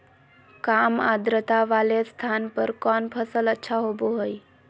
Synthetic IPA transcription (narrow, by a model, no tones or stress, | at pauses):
kaːma̰d̪ɾət̪aʋalest̪ʰaːnpəɾkɔːnpʰəsələtːʃʰaɦoːboɦəj